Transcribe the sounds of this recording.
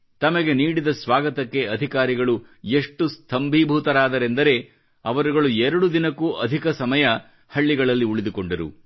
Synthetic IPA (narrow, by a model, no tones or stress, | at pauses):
t̪ɐmɐɡe̞niːɽid̪ɐsʋaːɡɐt̪ɐkːe̞ɐd̪ʱikaːɾiɡɐɭueʂʈust̪ʰɐmbʱibʱuːt̪ɐɾaːd̪ɐɾe̞nd̪ɐɾe̞ | ɐʋɐɾuɡɐɭuɛɾɐɽud̪inɐkuːʔɐd̪ʱikɐsɐmɐjɐ | hɐɭːiɡɐɭɐlːiuɭid̪uko̞ɳɖɐɾṵ